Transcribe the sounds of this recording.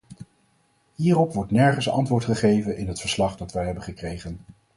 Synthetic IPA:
ɦiːrɔpʋɔɹtnɛɹχənsɑ̰ntʋʊːɹtχəχejvənɪnɦətfəɹslɑχdɑtʋɛjɦɛbəχəkrejχən

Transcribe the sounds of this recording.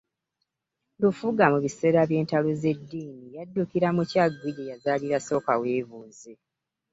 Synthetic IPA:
lufuɡamuβise̞ːɾaβje̞ːntaloze̞dːiːnijadːukiɾamucaɡwiɟejazaliɾaso̞ːkaweːvuːze

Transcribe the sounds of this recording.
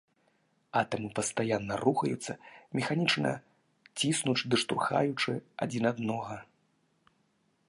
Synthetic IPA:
at̪ɐmɨpɐst̪ajanːɐruxɐjut̪sːɐmʲɛxanʲit͡ʂnɐ̰ | t͡sʲisnut͡ʃd̪ɨʂt̪ṵrxa̰jut͡ʂɨa̰d͡zʲinad̪nɔɣɐ

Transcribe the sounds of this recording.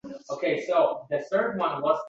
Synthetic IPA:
oʊkʰeɪsoʊðɨθɜ˞d̚wʌ̃nwʌz

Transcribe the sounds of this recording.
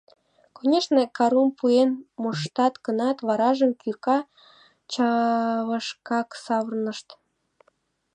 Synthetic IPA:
konʲeʃnekɑɾumpʰuenmoʃt̪ɑt̪kənɑt̪βɑɾɑʒəmkykɑ | t͡ɕɑβəʃkɑksɑβərnəʃt̪

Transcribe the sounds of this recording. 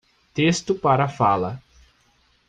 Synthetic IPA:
t̪est̪ʊpaɾɐfalɐ

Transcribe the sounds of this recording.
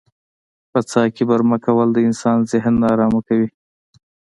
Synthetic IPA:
pət͡sɑkebaɾmakawəld̪əɪnsɑnzɪɦnːɑɾɑmakawi

